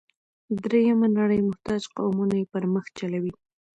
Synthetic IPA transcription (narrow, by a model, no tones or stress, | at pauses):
d̪ɾejamanaɽəjmʊht̪ɑd͡ʒqa̰wmunajepəɾməxt͡ʃalawi